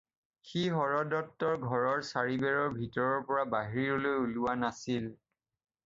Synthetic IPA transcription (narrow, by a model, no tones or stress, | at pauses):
xiɦɔɹɔdɔtːɔɹɡʱɔɹɔɹsaɹibɛɹɔɹbʱitɔɹɔɹpɔɹabaɦiɹiɔlojuluanasil